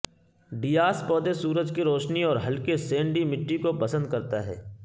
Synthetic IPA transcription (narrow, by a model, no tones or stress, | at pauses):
ɖiːaːspɔːd̪esuːɾəd͡ʒkiɾoːʃniɔːɾɦɐlkesẽːɳɖimɪʈːikopɐsə̃nd̪̚kɐɾt̪aɦɛ̰ː